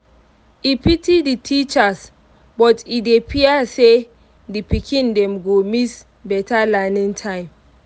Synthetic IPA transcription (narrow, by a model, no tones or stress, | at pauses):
ipitiditʰit͡ʃas | bɔtidepʰiase | dipikʰĩndɛ̃mɡomis | bɛtalɛnĩŋtʰãɪ̃m